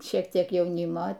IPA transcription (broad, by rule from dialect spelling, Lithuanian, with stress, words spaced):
ˈʃʲiɛk ˈtʲiɛk ˈjɛʊˈnʲɪmoː